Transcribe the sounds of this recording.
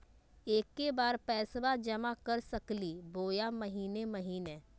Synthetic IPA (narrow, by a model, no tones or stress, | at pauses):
eːkːebaːɾpɛːsbad͡ʒɐmakɐɾsɐkliboːjamɐɦiːnemɐɦiːneː